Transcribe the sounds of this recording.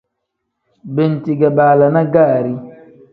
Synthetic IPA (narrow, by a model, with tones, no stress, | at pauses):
be˨n˨ti˨ɡa˨ɓaː˨la˨na˦ɡa˦˨ɾi˦